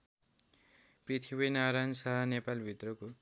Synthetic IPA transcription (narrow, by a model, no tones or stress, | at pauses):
prit̪ʰibʌjnaɾajnsʌɦʌnepalbʱit̪rʌko